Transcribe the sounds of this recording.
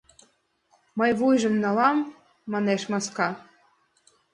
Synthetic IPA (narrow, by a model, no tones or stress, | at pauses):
mɤjβujʒə̆mnɑlɑmː | ɑneʃmɑskɑ